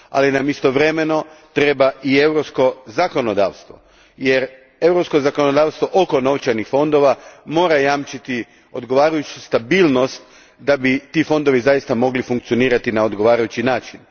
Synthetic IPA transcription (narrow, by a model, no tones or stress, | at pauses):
a̰linamist̪o̞ʋɾe̞me̞no̞t̪ɾe̞baʔie̞wɾopsko̞zako̞no̞d̪a̰ːʋst̪ʋo̞̰ | jeɾ | e̞wɾopsko̞zako̞nod̪aːʋst̪ʋo̞ʔoko̞no̞ʋt͡ʃajnixfo̞nd̪o̞ʋamo̞ːɾajaːmt͡ʃit̪i | o̞d̪ɡo̞ʋaːɾajut͡ʃust̪abiːlˠno̞st̪ | d̪abit̪ifo̞nd̪o̞ʋizajist̪amo̞ɡlifuŋk̚t̪sio̞niːɾat̪inaod̪ɡo̞ʋaːɾajut͡ʃinaːt͡ʃin